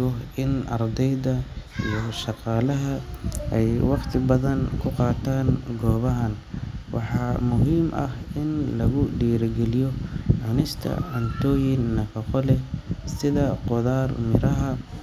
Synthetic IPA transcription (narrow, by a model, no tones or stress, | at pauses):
ɔʔɪnɑrd̪ɛjðɐijɔʃɑqɑːlɐɦɐʔɛjwɑqt̪ʰɪbɐðɐnkʰʊqɑːt̪ʰaːnɡɔːβɐɦɐnwʔɑ̰ħɑːmʊɦiːmʔɐ̰hɪnlɐɣʊɖiːɾɡɛlɪjɔʕɑnɪst̪ʰɐ̰ʕɐnt̪ʰɔːjɪnːɐkʰɐqɔlɛsɪðɐqɔðaːrmɪɾɐɦɐ